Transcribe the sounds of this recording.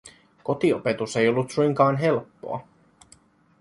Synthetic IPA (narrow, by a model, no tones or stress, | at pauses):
ko̞t̪iope̞t̪use̞jo̞lːut̪sujŋkɑːnɦe̞lpːo̰ɑ̰